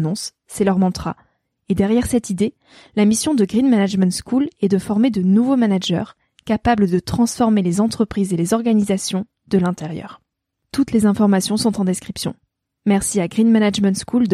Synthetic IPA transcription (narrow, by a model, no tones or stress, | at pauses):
nɔ̃sː | ɛlœʁmɑ̃t̪χa̰ | ed̪ɛʁjɛʁsɛt̪id̪e | lamisjɔ̃d̪əɡʁinmanaʒmɛ̃nt̪skulɛd̪əfɔʁmed̪ənuvomanaʒœ̰ʁ | kapabləd̪ət̪χɑ̃sfɔʁmelezɑ̃t̪χəpχizelezɔʁɡanizasjɔ̃ | d̪əlɛ̃t̪ɛʁjœ̰ːʁ | t̪ut̪lezɛ̃fɔʁmasjɔ̃sɔ̃t̪ɑ̃d̪eskχipsjɔ̰̃ | mɛʁsiaɡʁinmanaʒmɛ̃nt̪skʰuld̪